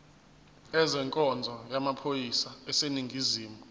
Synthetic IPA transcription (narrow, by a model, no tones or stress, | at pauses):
ɛzɛŋkʼɔnd͡zʱɔjamapʰojisaɛseniŋɡʱiziːmu